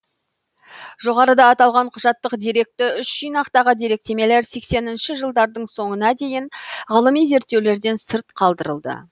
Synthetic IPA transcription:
ʒo̞ʁɑɾəd̪ɑːt̪ɑlˠʁɑɴqʰʊʒɑt̪ːəqd̪iɾe̞k̚t̪ɪʏʃʒijnɑqt̪ɑʁəd̪eɾe̞k̚t̪e̞me̞le̞ɾse̞kse̞nɪnʃɪʒəlˠd̪ɑɾd̪əɴso̞ɴənɑd̪e̞jɪɴʁəlˠəmijze̞ɾt̪ːe̞wle̞ɾd̪e̞nsəɾt̪qʰɑlˠd̪əɾəlˠd̪ə̰

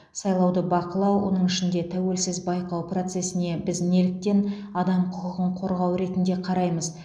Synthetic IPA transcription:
sɑjlˠɑwd̪əbɑqəlˠɑwwo̞̰nəɴɪʃɪnd̪e̞t̪ʰæwe̞lsɪzbɑjqɑwpro̞t̪se̞sɪne̞bɪzne̞lɪk̚t̪e̞n | ɑd̪ɑmqʰʊqəʁəɴqʰo̞ɾʁɑwɾe̞t̪ɪnd̪e̞qʰɑɾɑjməz

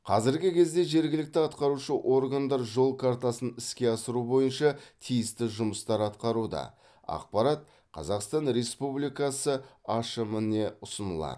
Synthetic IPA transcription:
qʰɑzɪɾɡʲɪkʲʰe̞zd̪e̞ʒe̞ɾɡʲɪlɪk̚t̪ɪɑt̪qɑɾuʃəʔo̞ɾɡand̪ɑɾʒo̞lˠkʰaɾt̪asənɪskʲe̞ɑsəɾubo̞jənʃɑt̪ʰijɪst̪ɪʒʊməst̪ɑɾɑt̪qɑɾud̪ɑ̰ | ɑ̰q̚pɑɾɑt̪̚ | qʰɑ̰zɑqst̪ɑnɾe̞spublijkɑsəɑʃəməne̞ʊsənə̰lˠɑ̰d̪

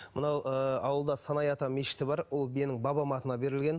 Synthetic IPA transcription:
mənɑwəɑwəlˠd̪ɑsɑnɑjɑt̪ɑme̞ʃɪ̥t̪ɪbɑɾwo̞lˠbienɪŋbɑbɑmɑt̪ənɑbe̞ɾɪlɡʲen

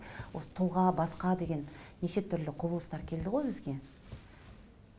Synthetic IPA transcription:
wosə̥t̪ʰʊlˠʁɑbɑsqɑd̪e̞ɡʲe̞nneʃe̞t̪ʰʏɾlɪqʰʊbəlˠəst̪ɑɾkʲʰe̞ld̪ɪʁo̞jbɪzɡʲe̞

